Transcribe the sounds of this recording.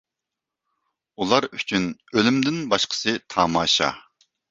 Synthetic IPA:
ulˠɑɾyt͡ʃʰynølymd̪ɪnbɑʃqʰə̥sɨt̪ʰɑːmɑːʃɑ̰

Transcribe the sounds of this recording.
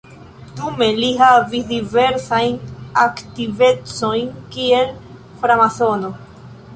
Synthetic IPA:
dume̞liɦavisdive̞ɾsajnaktive̞t͡so̞jnkie̞l | fɾamaθo̞no̞

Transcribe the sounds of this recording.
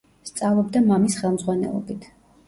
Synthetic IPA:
st̪sʼavlˠɔb̚d̪amamisχɛlˠmdzʁwanɛ̰lˠɔ̰bit̪ʰ

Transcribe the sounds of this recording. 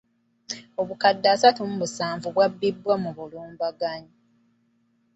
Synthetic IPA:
o̞βukadːaːsatumuβusaːɱvuβwabːibːwamuβuluːmbaɡaɲi

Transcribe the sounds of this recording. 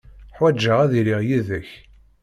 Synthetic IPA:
ħwæd͡ʒːəʁæðiɾiʁjiðəç

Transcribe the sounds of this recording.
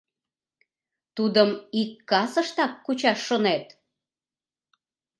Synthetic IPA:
t̪ud̪əmikːɑsəʃt̪ɑkːut͡ɕɑʃːonet̪

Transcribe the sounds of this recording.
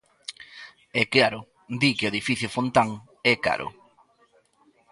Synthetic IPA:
ɛkaɾʊ | d̪ikeoeðifiθjʊfont̪aŋ | ɛka̰ɾʔʊ̰

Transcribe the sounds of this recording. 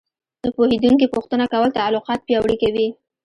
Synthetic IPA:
d̪̥əpohed̪uŋkipoxt̪ənakawəlt̪alʊqɑt̪̚pjɑwɽikawi

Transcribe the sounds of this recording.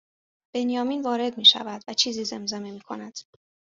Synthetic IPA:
b̥e̞njɒːmiːnvɒːɾe̞d̪̚miːʃæ̰væd̪væt͡ʃʰiːziːze̞mzememiːkʰo̞̰næd̪̥

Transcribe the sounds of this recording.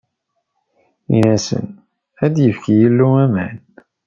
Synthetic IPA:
ḭnæsə̰n | æd̪jəfkijəlːuæmæ̰n

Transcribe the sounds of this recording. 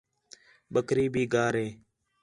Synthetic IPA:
ɓəkɾiːbʱiːɡaːɾɦeː

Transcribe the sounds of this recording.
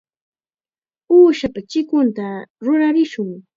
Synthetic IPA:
uːʃapat͡ʃɪkʊnt̪aɾʊɾaɾɪʃʊŋ

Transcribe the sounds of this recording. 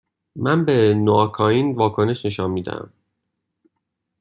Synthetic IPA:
mænbenoɒkʰɒːiːnvɒːkʰoneʃne̞ʃɒnmiːd̪æ̰ʔæ̰m

